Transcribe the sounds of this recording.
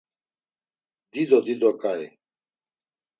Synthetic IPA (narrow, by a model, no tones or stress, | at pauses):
d̪iːd̪od̪id̪okae